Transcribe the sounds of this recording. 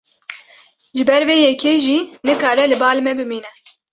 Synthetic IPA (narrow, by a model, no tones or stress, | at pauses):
ʒɨbɛɾveːjɛkʰeːʒiːnɨkaːɾɛlɨbɑːlmɛbɨmiːnɛ